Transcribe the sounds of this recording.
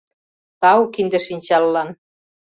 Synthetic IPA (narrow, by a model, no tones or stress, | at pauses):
t̪ɑukind̪ə̆ʃinʲt͡ɕɑlːɑn